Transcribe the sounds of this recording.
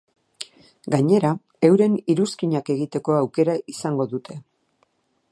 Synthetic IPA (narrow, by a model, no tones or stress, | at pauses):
ɡaɲe̞ɾa | e̞wɾe̞niɾuskiɲake̞ɣit̪e̞ko̞awke̞ɾaʔisaŋɡo̞ðut̪ʰe̞